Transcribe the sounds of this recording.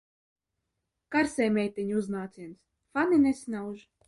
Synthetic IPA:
kaɾsɛjmʲɛjt̪ɛɲʲuznaːt̪sins | faninɛsʲnawʒ

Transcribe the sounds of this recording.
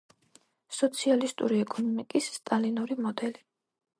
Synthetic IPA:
sɔt̪sʰialist̪ʼuɾiɛkʼɔnɔmikʼisːt̪ʼalinuɾimɔd̪ɛli

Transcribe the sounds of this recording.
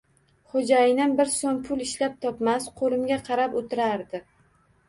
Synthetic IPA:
χod͡ʒajɪnɪnbɪɾsonpʰʊlˠɪʃlap̚t̪ʰɒpmasqʰolˠɪmɡʲaqʰɑɾapot̪ʰɪɾaɾd̪ɪ

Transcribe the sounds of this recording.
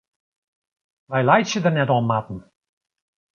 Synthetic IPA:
ʋɛjlajtsjədərnɛtɔnmatn̩

